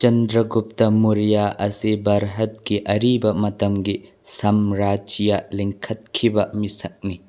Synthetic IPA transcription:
t͡ʃɐndɾɐɡup̚tɐmuɾijaʔɐsibɐɾɦɐt̚ɡiʔɐɾibɐmɐtɐmɡi | sɐmɾad͡ʒijaliŋkʰɐt̚kʰibɐmisɐk̚ni

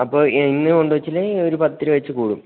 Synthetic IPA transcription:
ɐpːoːinːɨoɳɖuʋɐt͡ɕːileoɾupɐt̪ːiɾɨʋɐt͡ɕːɨkuːɽum

